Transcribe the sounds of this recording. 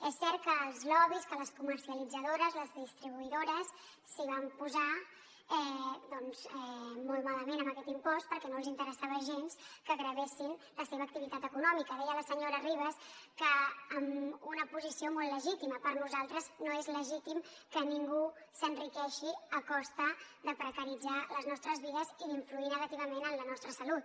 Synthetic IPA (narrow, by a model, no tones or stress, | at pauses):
ɛsːɛɾt̪̚kəːlˠzlɔβiskələskuməɾsiəlid͡zəðoɾəzləzðist̪ɾiβ̞uiðoɾəsː | iβ̞ampuza | ɛd̪ɔnzɛmolˠt̪maləmenəmbəkɛt̪impɔst̪̚pəɾkɛnolˠzint̪əɾəsaβəʒenskəɣɾəβesinləseβəːkt̪iβit̪at̪əkunɔmikəðɛjələsəɲoɾəriβəskəːmunəpuzisiomɔlˠləʒit̪iməpəɾnuzalˠt̪ɾəznoezləʒit̪imkəniŋɡusənrikɛʃiəkɔst̪əðəpɾəkəɾid͡zaləznɔst̪ɾəzβiðəziiɱfluinəɣət̪iβ̞əmenənlənɔst̪ɾəsəlut̪̚